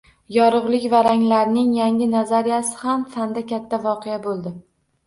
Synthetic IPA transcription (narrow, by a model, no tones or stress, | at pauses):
jɒɾʊʁlˠɪkʲvaɾaŋlaɾnɪŋjaŋʲɪnazaɾijasɪ̥hamfand̪akʲʰat̪ʰːavɒqʰejabolˠd̪ɪ